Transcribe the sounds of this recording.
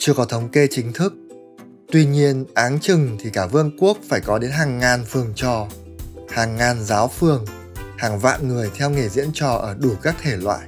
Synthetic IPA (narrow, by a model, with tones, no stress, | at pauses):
t͡ɕɨ˧əkɔ˨˦t̪ʰə˨˦wŋ͡mke˧t͡ɕï˨˦ŋ̟t̪ʰɨ˦˥k̚ | t̪wi˧ɲi˧ənʔaː˨˦nt͡ɕɨ˨˩ŋt̪ʰi˨˩kaː˧˩vɨ˧ənku˦˥ək̚faː˧˩jkɔ˨˦ɗe˨˦nɦaː˨˩ŋːaː˨˩nfɨ˨˩əŋt͡ɕɔ˨˩ | haː˨˩ŋːaː˨˩nzaː˨˦wfɨ˧˩əŋ | haː˨˩ŋva̰ː˧˨nŋɨ˨˩əjt̪ʰɛ˧wŋe˨˩zḭ˧˥ənt͡ɕɔ˨˩ʔəː˧˩ɗu˧˩kaː˦˥k̚t̪ʰe˧˩lwa̰ː˧˨jʔ